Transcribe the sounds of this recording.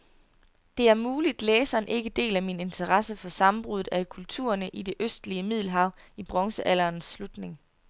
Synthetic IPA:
d̥e̝æɐmuːlid̥leːsɐːnʔe̝ɡ̥əd̥e̝̰ːlæmine̝nt͡sʰɐʁɑsəfɒ̽sɑ̈mb̥ʁuð̩ˠækʰult͡sʰṵːɐnəʔide̝ʔøsd̥liəmið̞̰ˠl̩ɦɑ̈ʊ̰ | ib̥ʁɒ̽ŋsəʔæl̰ɐːnsːlud̥ne̝ŋ

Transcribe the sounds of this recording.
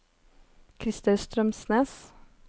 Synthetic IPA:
kʰɾɪst̪ɑʉst̪ɾœmsneːs

